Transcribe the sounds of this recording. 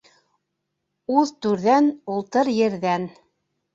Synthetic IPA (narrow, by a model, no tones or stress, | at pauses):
uðt̪ʉɾðænulˠt̪ɤɾjɘ̆ɾðæn